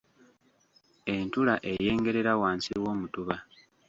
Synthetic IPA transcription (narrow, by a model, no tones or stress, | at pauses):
e̞ntulaʔeje̞ːŋɡe̞ɾe̞ɾawaːnsiwo̞ːmutuβa